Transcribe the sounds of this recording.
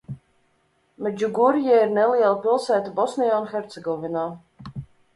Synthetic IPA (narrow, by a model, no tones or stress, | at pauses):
mɛd͡ʒuɡuɾjɛiɾnɛliɛlˠapilˠsæːt̪abɔsnijaːunxɛɾt̪sɛɡɔvinaː